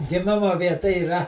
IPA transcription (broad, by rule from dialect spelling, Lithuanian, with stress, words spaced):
ɡʲɪˈmʲɪmoː ʋʲiɛˈtɐ iːˈrɐ